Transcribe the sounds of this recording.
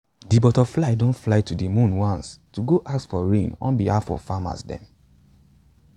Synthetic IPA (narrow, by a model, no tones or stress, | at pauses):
dibɔtɔflaɪdõntflaɪtudimũnwãnstuɡoʔaksfɔɹẽnɔ̰̃nbihafɔ̰vfama̰sdɛ̰̃m